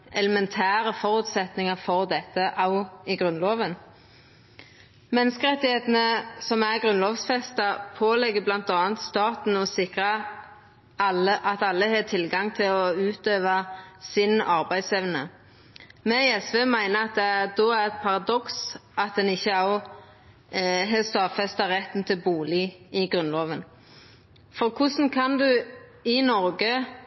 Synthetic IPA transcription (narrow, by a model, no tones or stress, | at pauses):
ʔɛləmɛnt̪ʰæːʁəfɔʁʉːt̪sɛt̪nɪŋəfɔʁd̪ɛt̪ːəʔɑʊɪɡʁʉnloːʋən | mɛnːəskəʁɛt̪ːɪheːt̪n̩əsɔmæʁɡʁʉnloːʋsfɛst̪ɑpʰoːlɛɡːəblɑnt̪ɑːnt̪st̪ɑːt̪n̩ɔsɪkʁɑ | ɑəʔɑt̪ɑlːəheːt̪ʰɪlɡɑŋt̪ʰɪlɔʉːt̪øːʋɑsɪnɑʁbæɪd̪sɛʋnə̰ | mɛɛsʋeːmæɪnəɑt̪̚d̪ɛæʁd̪oːæʁɛt̪pʰɑʁɑd̪ɔksʔɑt̪̚d̪ɛnɪçːəɑʊ | ɦeːst̪ɑːʋfɛst̪ɑʁɛt̪ːn̩t̪ʰɪlbuːlɪɪɡʁʉnloːʋən | fɔʁkʰʊsn̩kʰɑnd̪ʉɪnɔʁɡə